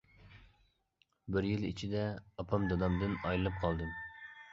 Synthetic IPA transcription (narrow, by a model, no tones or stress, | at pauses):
bɪɾjilḭt͡ʃʰid̪ɛɑpʰɑmd̪ɑd̪ɑmd̪ɨnɑjllˠɨp̚qʰɑlˠd̪ɨm